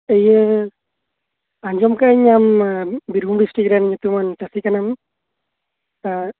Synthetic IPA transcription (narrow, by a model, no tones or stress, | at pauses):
ejɯ | aɲd͡ʒɔmkaɲambiɾɡumɾisʈiɡɾanɲat̪umantasikanam | a